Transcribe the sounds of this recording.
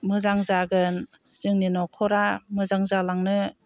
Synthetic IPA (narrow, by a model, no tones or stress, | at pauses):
mɯzaŋzaɡɯn | z̥ɯŋninɔkʰɔɾamɯzaŋzalaŋnɯ